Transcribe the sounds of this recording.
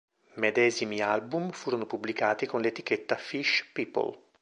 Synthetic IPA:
med̪ɛːzimialbumfuːɾonopublikaːt̪ikonlet̪ik̟et̪ːafiʃpiːpo̰l

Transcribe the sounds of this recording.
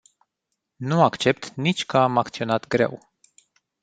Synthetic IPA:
nuakt͡ʃe̞p̚t̪nit͡ʃʲkəamakt̪sio̞nat̪ɡɾe̞̰w

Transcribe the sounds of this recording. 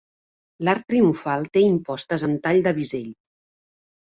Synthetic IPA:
laɾt̪ːɾiuɱfalˠt̪eimpɔst̪əzənt̪aʎd̪əβizeʎ

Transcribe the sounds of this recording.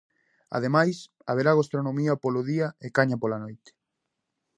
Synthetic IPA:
a̰ðemajs | a̰βeɾaɣost̪ɾonõmiɐpoloðiɐekaɲapolanojt̪e̥

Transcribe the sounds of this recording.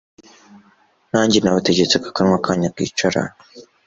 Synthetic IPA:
naɲd͡ʒinawatad͡ʒet͡sɨkḁkanwakʰaɲakḭt͡ʃaɾa̰

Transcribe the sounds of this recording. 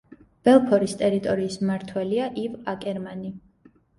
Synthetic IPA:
b̥ɛlˠpʰɔɾist̪ʼɛɾit̪ʼɔɾiːsmaɾt̪ʰwɛliaʔivakʼɛɾmani

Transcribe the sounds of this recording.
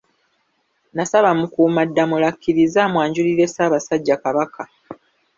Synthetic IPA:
nasaβamukuːmadːamulakːiɾizaːmwaːɲɟuliɾe̞saːβasaɟːakaβakʰa

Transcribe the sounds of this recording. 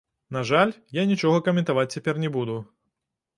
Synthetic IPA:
naʐalʲjanʲit͡ʃɔɣɐkɐmʲɛ̃nt̪avat͡sʲt͡sʲːɛpʲɛrnʲɛbud̪u

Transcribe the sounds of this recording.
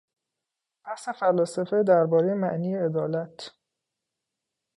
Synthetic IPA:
b̥æhsefælːɒːsæfed̪æɾbɒːɾejemæʔniːjeed̪ɒːlæt̪ʰ

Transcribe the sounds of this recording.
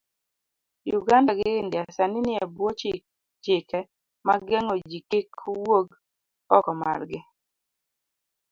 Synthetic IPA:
juɡandaɡɪɪndɪasanɪnɪabwot͡ʃ | t͡ʃɪkɛ | maɡɛŋɔd͡ʒikikʰːwoɡ | ɔkɔma̰rɡɪ

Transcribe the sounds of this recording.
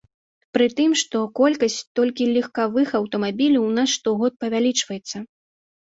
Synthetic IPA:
pɾɨt̪ɨmʂt̪ɔkɔlʲkɐsʲt͡sʲt̪ɔlʲkʲilʲixkavɨxɐwt̪ɔmabʲilʲɐwnasʂt̪ɔɣɔt̪̚pɐvʲalʲit͡ʂvɐjɛt̪sːɐ

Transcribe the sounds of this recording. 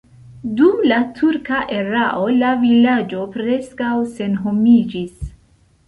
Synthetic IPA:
dumlatʰuɾkaʔe̞ɾaʔo̞lavilad͡ʒo̞pɾe̞skawse̞nɦo̞mid͡ʒis

